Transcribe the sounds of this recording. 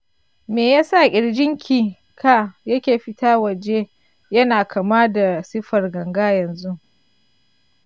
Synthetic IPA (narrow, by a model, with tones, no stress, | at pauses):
meː˨jaː˦sa˦˨kʲʼɪ˨ɽd͡ʒɪ˦ŋkʲʰiː˨ | kʰa˦˨jɐ˦kʲeː˨ɸɪ˦taː˦wɐ˨d͡ʒe˦ | jɐ˦naː˨kʰɐ˨maː˦da˨sɪ˦ɸɐ˨rɡɐ˨ŋɡaː˦jɐ˨nzu˦ʔ